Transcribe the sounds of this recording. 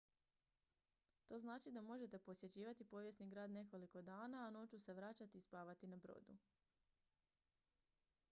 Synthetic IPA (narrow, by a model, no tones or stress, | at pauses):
t̪o̞ːznaːt͡ʃid̪amo̞ʒe̞t̪e̞po̞sje̞t͡ɕiːʋat̪ipo̞ʋje̞sniɡɾaːd̪ne̞ko̞liko̞d̪aːnaːno̞t͡ʃuse̞ʋɾat͡ɕat̪iːspaːʋat̪inabɾo̰ːd̪ṵ